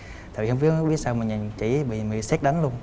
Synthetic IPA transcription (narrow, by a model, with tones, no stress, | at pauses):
t̪a˨vi˨˩hə˧ŋ͡mɓi˦˥˦ɓi˦˥ət̚saː˧wmï˨˩ŋɲa˨˩nt͡ɕi˧˩ɓḭ˧˨mi˧˨sɛ˦˥t̚ɗə˨˦nlu˧ən